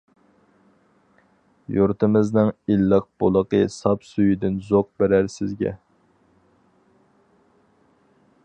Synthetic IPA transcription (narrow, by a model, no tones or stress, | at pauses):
juɾt̪ɨmɨznɨŋilːəq̚b̥olˠəqəsɑpsujid̪ɪnzoq̚bɪɾæɾsɪzɡʲɛ̰